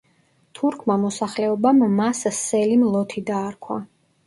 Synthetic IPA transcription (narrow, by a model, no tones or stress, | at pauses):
t̪ʰuɾkʰmamɔsaχlɛɔbammassɛlimlˠɔt̪ʰid̪aːɾkʰwa̰